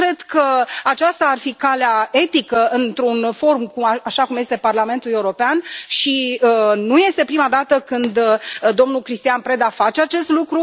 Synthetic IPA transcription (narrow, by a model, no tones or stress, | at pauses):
kɾe̞d̪kəat͡ʃast̪aːrfikaleae̞t̪ikəɨnt̪ɾunfo̞ɾmkuaaʃakumje̞st̪e̞parlame̞nt̪ule̞uɾo̞peanʃiənuje̞st̪e̞pɾimad̪at̪əkɨnd̪d̪o̞mnulkɾist̪ijanpɾe̞d̪afat͡ʃeat͡ʃe̞st̪lukɾu